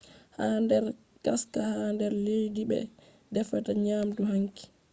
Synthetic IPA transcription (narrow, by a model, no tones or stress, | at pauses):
handɛɾ | kaskahandɛɾlejdibɛ̰ | dɛfataɲaːmduhaŋki̥